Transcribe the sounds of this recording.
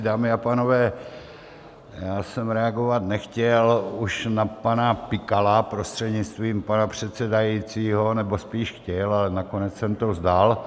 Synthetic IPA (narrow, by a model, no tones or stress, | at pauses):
daːmɪapaːno̞vɛː | jaːsɛmɾɛaɡo̞vat̪nɛxcɛluʃnapanapɪkalapɾo̞st̪r̥ɛdɲɪt͡st̪viːmpanapr̝̥ɛt̪sɛdajit͡siːɦo̞nɛbospiːʃxcɛlalɛnako̞nɛt͡ssɛmt̪ozdal